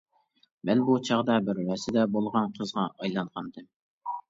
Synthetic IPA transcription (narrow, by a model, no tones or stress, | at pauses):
bɛlbut͡ʃʰɑʁd̪ɑbɪɾwɛsɪd̪ɛbolˠʁɑnqʰəzʁɑʔɑjlˠɑnʁɑnd̪ɨm